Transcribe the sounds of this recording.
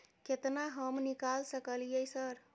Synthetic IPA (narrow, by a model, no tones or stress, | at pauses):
ket̪naɦəmnikalsəkəljəjsəɾ